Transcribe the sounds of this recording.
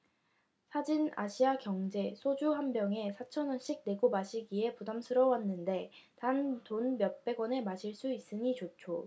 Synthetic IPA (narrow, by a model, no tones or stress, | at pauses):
sʰad͡ʑina̰ɕʰiakjʌŋd͡ʑe̞sʰod͡ʑuɦambjʌŋe̞sʰat͡ɕʰʌnʌnɕ͈ik̚ne̞ɡobaɕʰiɡie̞pudamsʰɯɾʌwanːɯnde̞tantonmjʌt̚p͈e̞ɡwʌne̞maɕʰiɭs͈uis͈ɯɲit͡ɕot͡ɕʰo